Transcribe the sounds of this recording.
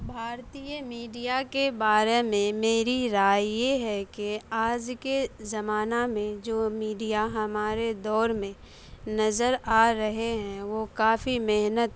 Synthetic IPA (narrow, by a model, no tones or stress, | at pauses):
bʱaːɾt̪ijəmiːɖijakebaːɾemẽmeːɾiɾaːjjeɦɛkeaːd͡ʒkezɐmaːnamẽd͡ʒoːmiːɖijaɦɐmaːɾed̪ɔːɾmẽ | nɐzəɾaːɾɐɦeɦɛ̃ʋokaːfimɪɦnət̪